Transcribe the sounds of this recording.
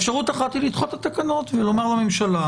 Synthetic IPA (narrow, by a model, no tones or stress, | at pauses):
fʃaʁut̪aχat̪ilit̪χot̪at̪akano̞t̪velo̞maʁlamemʃala